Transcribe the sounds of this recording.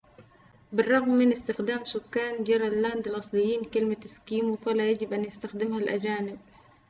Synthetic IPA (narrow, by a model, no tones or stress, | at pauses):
bɪrˤːɑɣmːɪnɪst̪ɪxd̪aːmsʊkːaːnd͡ʒɑɾˤɑlːand̪ɪlʔɑsˤlɪjːiːnkɪlmat̪ɪskiːmufalajad͡ʒɪbʔanjɪst̪axd̪ɪmhalʔad͡ʒaːnɪb̚